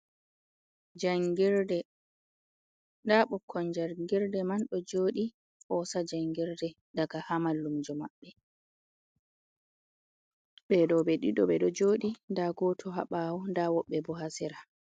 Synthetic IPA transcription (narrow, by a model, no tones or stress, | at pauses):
d͡ʒaŋɡiɾdɛ | ndaɓɔkʰːɔnd͡ʒaɾɡiɾdɛmanɗɔd͡ʒoːɗi | ʔɔsad͡ʒaŋɡiɾdɛ | daɡahamalːumd͡ʒɔmaɓːɛ | ɓɛɗɔbɛɗiɗɔɓɛɗɔd͡ʒoːɗindaɡɔtʰɔɦa̰ɓaːwɔndawɔɓːɛbɔɦasiɾa